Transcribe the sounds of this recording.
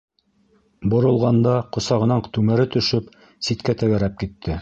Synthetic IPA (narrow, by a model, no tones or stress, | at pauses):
bŏɾɤ̆lˠʁɑnd̪ɑqŏsɑʁɤ̆nɑɴt̪ʉmɘɾɘt̪ɵ̆ʃɵp | sit̪kæt̪æɡæɾæp̚kit̪ʰːɘ